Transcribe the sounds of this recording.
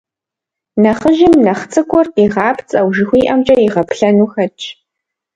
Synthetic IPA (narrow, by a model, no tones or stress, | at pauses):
nɐχəʒɪmnɐχt͡sʼɨkʷʰʼɔrqiːʁɑːpʰt͡sʼɐwʒɪxʷiːʔɐmt͡ʃʼɐjiʁɐpʰɬɐnuːxɐt͡ʃʰʼ